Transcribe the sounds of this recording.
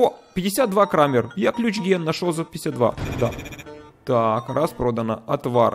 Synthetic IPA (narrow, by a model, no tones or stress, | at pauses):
opʲɪdʲɪsʲad̪̚d̪vakɾamʲɪrjaklʲʉt͡ɕɡʲenːɐʂolˠzɐpʲɪ̥ɪsʲat̪d̪va̰d̪at̪akɾʔaspɾo̞d̪ənəɐt̪var